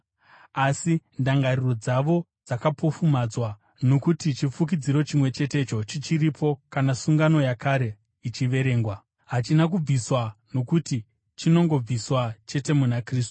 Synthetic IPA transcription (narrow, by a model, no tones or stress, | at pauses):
asindaŋɡariro̞d͡zaʋo̞ | d͡zakapo̞fumad͡zwa | no̞kutit͡ʃifukid͡ziɾo̞t͡ʃimwe̞t͡ʃe̞te̞t͡ʃo̞t͡ʃit͡ʃiɾipʰo̞kanasuŋɡano̞jakaɾe̞ | it͡ʃiʋe̞ɾe̞ːŋɡwa | ɦat͡ʃinak̬ub͡viswano̞kuti | t͡ʃino̞ŋɡo̞b͡viswat͡ʃe̞te̞munakriːstu̥